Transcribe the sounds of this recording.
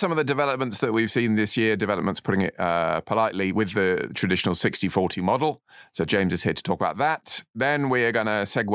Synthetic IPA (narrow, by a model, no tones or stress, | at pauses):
sʌ̃mʌvðədɪvɛləp̚mə̃ntsðəʔwiv̥sĩnðɪsjɪədɪvɛləp̚mə̃ntspʰʊɾɪ̃ŋɪ̰ʔʌpʰəlaɪʔliwɪðətʰɹ̥ədɪʃənəlˠsɪkstifɔˑtʰimɒdl̩ˠsoʊd͡ʒẽɪ̃mzɪz̥hɪədtʰə̥tʰɔːˑkəbaʊʔ̪̚ðəʔðə̃nwiəɡʌnəsɛɡw